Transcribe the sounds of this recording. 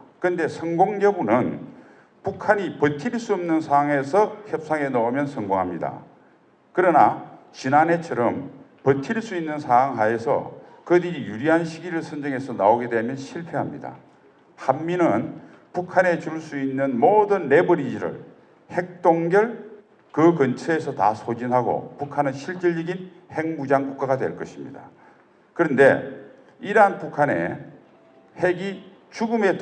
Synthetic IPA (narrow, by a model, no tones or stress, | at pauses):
kɯnde̞sʰʌŋɡoŋɡjʌbunɯn | pukʰaɲipʌtʰiɭs͈uʌmnɯnsʰaɦaŋɦe̞sʰʌçjʌp̚s͈aŋe̞nʌomjʌnsʰʌŋɡoŋɦamɲida̰ | kɯɾʌna | t͡ɕinanet͡ɕʰʌɾʌmpʌtʰiɭs͈uinːɯnsʰaaŋɦae̞sʰʌ̰kɯdiɾijuɾiɦanɕʰiɡiɾɯɭsʰʌnd͡ʑʌŋɦe̞sʰʌnaoɡedwe̞mjʌnɕʰiɭpʰeɦamɲḭda̰ | hanːinɯn | pukʰane̞t͡ɕuɭs͈uinːɯnmodɯnːe̞bʌɾid͡ʑiɾɯ̰ɭ | he̞k̚t͈oŋɡjʌɭ | kɯkɯnt͡ɕʰeesʰʌta̰sʰod͡ʑinɦaɡo̰pukʰanɯnɕʰiɭt͡ɕ͈iɭːiɡin | he̞ŋmud͡ʑaŋkuk͈aɣadwe̞̰ɭk͈ʌɕʰimɲḭda̰ | kɯɾʌnde̞̰ | iɾɦanpukʰane̞̰ | heɡi | t͡ɕuɡɯme̞